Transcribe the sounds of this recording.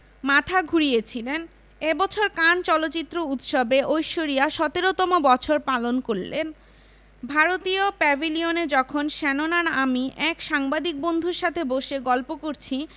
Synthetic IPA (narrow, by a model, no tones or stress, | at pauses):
mat̪ʰaɡʱuɾijet͡ɕʰilen | ebɔt͡ɕʰoɾkant͡ɕɔlotːt͡ɕit̪ːɾout̪ʃɔbeʔojʃoɾijaʃɔt̪eɾot̪ɔmobɔt͡ɕʰoɾpalonkoɾlḛn | bʱaɾot̪iopɛbʱilioned͡ʑɔkʰonʃɛnonaɾamiʔɛkʃaŋbad̪ik̚bond̪ʱuɾʃat̪ʰeboʃeɡɔlpokoɾt͡ɕʰi